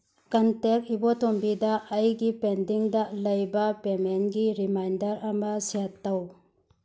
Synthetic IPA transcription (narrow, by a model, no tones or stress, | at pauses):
kɐntek̚ibotombidɐʔːjɡipendiŋdalɐjbɐpemenɡiɾimajndɐɾɐmɐsiatːaw